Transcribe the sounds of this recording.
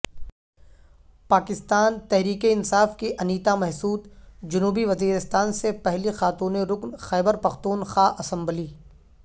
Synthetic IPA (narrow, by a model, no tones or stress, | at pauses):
paːkɪst̪aːnt̪ɛɦɾiːkeɪnsaːfkiʔɐniːt̪amɛɦsuːt̪d͡ʒʊnuːbiʋɐziːɾɪst̪aːnsepɛɦlixaːt̪uːneɾʊknxɛːbəɾpɐxt̪uːnxaːʔɐsɐ̃mbliː